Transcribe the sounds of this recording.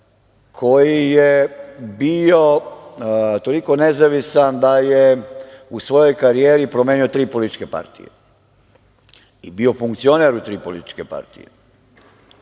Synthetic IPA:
kʰojijebio̞ | t̪o̞liko̞nezaʋisand̪ajeusʋo̞jo̞jkaɾijeːɾipɾomjeːnio̞t̪ɾiːpo̞lit̪i̥t͡ʃkepa̰ɾt̪ḭjḛ | ibio̞fuŋkt̪sio̞neɾut̪ɾiːpo̞lit̪i̥t͡ʃkepa̰ɾt̪ḭje

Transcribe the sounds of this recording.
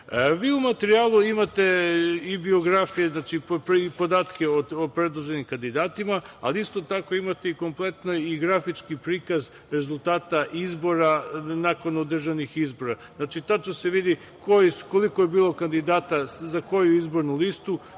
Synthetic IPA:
ʋiːumat̪eɾiaːlˠuimat̪e̞ibio̞ɡɾafijeznat͡ʃippipo̞d̪aːt̪ke̞oopɾe̞d̪lˠoʒe̞nimkand̪id̪aːt̪imaa̰liist̪o̞t̪ako̞imat̪e̞iko̞mplˠe̞t̪noiɡɾafit͡ʃkipɾiːkaz | ɾe̞zulˠt̪aːt̪aʔizbo̞ɾanako̞nod̪r̩ʒanixizbo̞ɾaznat͡ʃit̪at͡ʃ̪ose̞ʋid̪i | kʰojisuko̞likojebiːlˠo̞kand̪id̪aːt̪azako̞juizbo̞ɾnulist̪u

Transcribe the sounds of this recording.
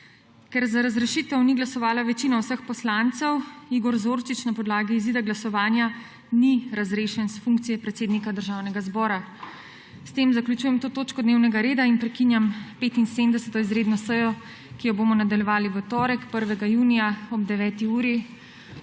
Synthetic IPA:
kɛɾzaɾazɾɛʃit̪ɛwniɡlasɔʋaːlaʋɛt͡ʃiːnɔwsəxpɔslant̪sɛwiɡɔɾzoːɾt͡ʃit͡ʃnapɔd̪laːɡiːziːd̪aɡlasɔʋaːnja | niɾazɾeːʃɛnsfuŋk̚t̪sijɛpɾɛt̪seːd̪nikad̪əɾʒawnɛɡazbɔːɾa | st̪emzaklut͡ʃujɛmt̪oːt̪oːt͡ʃkɔd̪neːwnɛɡaɾeːd̪ainpɾɛkinjampeːt̪inseːmd̪ɛsɛt̪ɔizɾeːd̪nɔsəjɔ | kijɔboːmɔnad̪aljɛʋaːliwɔt̪ɔːɾɛkpəɾʋɛɡajuːnijaɔb̚d̪ɛʋɛːt̪iuːɾi

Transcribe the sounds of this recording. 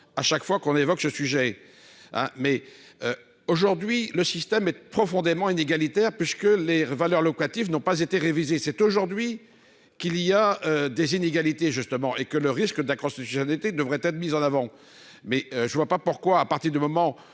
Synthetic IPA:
aʃakfwakɔ̃nevɔksəsyʒɛ | ɛ̰̃mɛø | oʒuʁd̪ɥiləsist̪ɛmɛpχɔfɔ̃d̪emɑ̃ineɡalit̪ɛʁpɥiskəlevalœʁlɔkat̪ifnɔ̃pazet̪eʁevizesɛt̪oʒuʁd̪ɥi | kiliaød̪ezineɡalit̪eʒyst̪əmɑ̃ʔekələʁiskəd̪ɛ̃kɔ̃st̪it̪ysjɔnalit̪ed̪əvʁɛt̪ɛt̪χmizɑ̃navɑ̃ | mɛøʒəvwapapuʁkwaːpaʁt̪iʁd̪ymɔmɑ̃

